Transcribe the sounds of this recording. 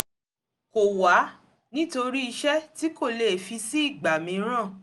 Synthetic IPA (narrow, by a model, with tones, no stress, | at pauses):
ko˨wa˨˦ | nĩ˦to˧ɾi˦i˧ʃɛ˦ti˨˦ko˦˨le˨fi˧si˦i˦˨ɡ͡ba˨mĩ˧˦ɾ̃ã˦˨